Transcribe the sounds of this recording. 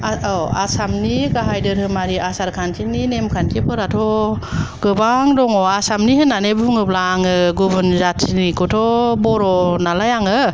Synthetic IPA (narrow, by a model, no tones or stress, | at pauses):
aɔa̰samniɡaɦajdɯɾhɯmaɾiʔasaɾkʰantʰininemkʰankipʰɯɾatʰɔ | ɡ̥ɯbaŋdɔŋɔasamniɦɯnːanebuŋɯblaŋɯɡubɯnzatʰinikutʰɔbɔɾɔnalajaŋɯ